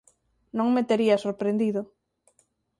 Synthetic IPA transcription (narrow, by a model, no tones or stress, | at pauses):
nõŋmet̪eɾiasoɾpɾend̪iðo